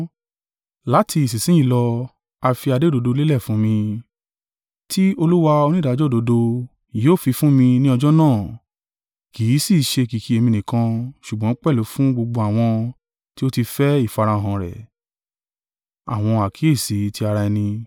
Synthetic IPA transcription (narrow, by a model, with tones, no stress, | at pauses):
la˨˦tʰi˧i˨s̬i˨sĩ˨˦ĩ˧˦lɔ˧ | a˧fi˧a˧de˦do˨˧do˧le˦lɛ˦˨fũ˨˦mĩ˧ | tʰi˦o˧lu˦wa˧o˧nĩ˦da˨˦d͡ʒɔ˦˨do˨˧˦do˧ | jo˦˨fi˧fũ˦mĩ˧nĩ˦ɔ˧d͡ʒɔ˦nãː˦˨ | ki˨˦si˦˨ʃe˧ki˨ki˨˦e˧mĩ˧nĩ˨kã˧ʃu˨ɡ͡bɔ̃˨˦k͡pɛ˦˨lo˨˦fũ˦ɡ͡bo˧ɡ͡bo˧a˨w̃ɔ̃˧ | ti˦o˦ti˧fɛ˦i˦˨fa˧ɾa˧˨ɦã˨ɾɛ̰˨ | a̰˨w̃ɔ̃˧a˨kʰi˨˦e˦˨si˨˦tʰi˦a˧ɾa˧ɛ˧nĩ˧